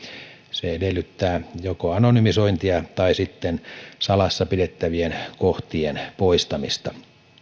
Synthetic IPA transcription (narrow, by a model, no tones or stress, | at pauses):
seedelːˑyt̪ːæːjokoɑnonymisoint̪iɑt̪ɑisit̪ːensɑlɑsːɑpidet̪ːæʋienkoht̪ienpoist̪ɑmist̪ɑ